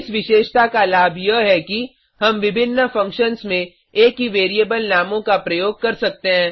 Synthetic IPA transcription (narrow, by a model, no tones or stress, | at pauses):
ɪsʋɪʃeːʃt̪akalaːbʱjɐɦɛki | ɦɐmʋɪbʱɪnːəfɐ̃ŋkʃənsmẽ | eːkɦiʋeːɾieːbəlnaːmõkapɾɐjoːɡ̚kɐɾsɐk̚t̪eɦɛ̃ː